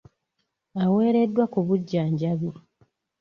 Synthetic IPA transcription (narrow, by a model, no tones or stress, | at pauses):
awe̞ːɾe̞dːwakuβuɟːaːɲɟaβi